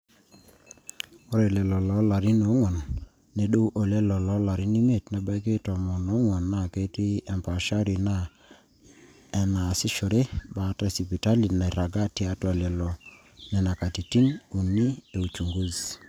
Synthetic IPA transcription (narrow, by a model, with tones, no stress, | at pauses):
ɔ˦ɾe˨lɛ˨lɔ˨lɔ˨˦la˨ɾi˦no˨˦ŋwɔ˨nː | e˨˦ɗo˦ʔo˨lɛ˦lɔ˨lɔ˨˦la˨ɾi˦ni˦m˦e˦˨tnɛ˨˦ba˦jk̬e˦tɔ˨mɔ˨nɔ˨˦ŋwɔ˨nːa˦˨ke˦ti˦ɛ˨mpa˨ʃa˦ɾi˨na˦˨ | ɛ˨na˨sɪ˦ʃo˨ɾe˦ba˨˦ta˨si˨pi˨ta˦li˨na˨i˨ɾa˨ɡa˦ti˨a˦twa˨lɛ˨lɔ˨ | nɛ˨na˨ka˨ti˨ti˦nu˨ni˦e˨u˨t͡ʃu˨ŋɡu˦z